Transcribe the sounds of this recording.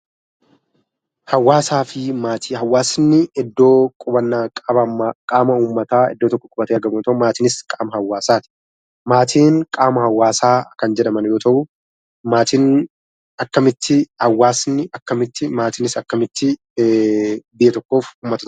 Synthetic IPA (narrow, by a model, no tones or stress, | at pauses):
hɐwːaːsaːfɪmaːt̪ʰihɐwːaːsɪnːɪɛd̪ːo̞ːkʼʊbɐnːaːkʼɐbɐkʼaːmɐuːmːɐt̪aːɛ̰d̪ːoːt̪ɔkːɔkʼʊbɐt̪eɐɾɡɐbʊt̪ɐʊmaːt̪ɪːnɪskʼaːmɐhɐwːaːsaːt̪ɪ̥ | maːt̪ʰiːnkʼaːmɐhɐwːaːsaːkɐnd͡ʒɛᶑɐmɐnjo̞ːt̪ɐʔʊ | maːt̪ɪn | ɐkːɐmɪt̪ːɪhɐwːaːsnːɪʔɐkːɐmɪt̪ːɪmaːt̪ɪnɪsɐkːɐmɪt̪ːɪ | bɪʔɛt̪ɔkːo̞ːfuːmːɐt̪ɐ̥t̪